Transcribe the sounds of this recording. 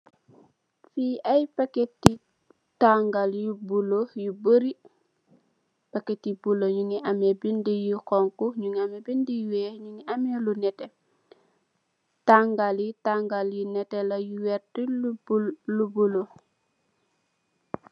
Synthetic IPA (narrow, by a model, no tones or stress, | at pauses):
fiʔajpaketːi | taŋɡaljubulojubəɾi | paketːibuloɲuŋiʔamebindijikɔŋkuɲuŋiamɛbindijuwɛɲuŋiʔamɛlunɛtɛ | taŋɡaljitaŋɡaljinɛtɛlajuwɛɾti | lubulo